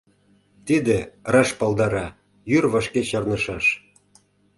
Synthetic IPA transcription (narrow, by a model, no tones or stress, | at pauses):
t̪id̪erɑʃpɑlˠd̪ɑɾɑ | jyrβɑʃkeɕɑrnɤ̆ʃɑʃ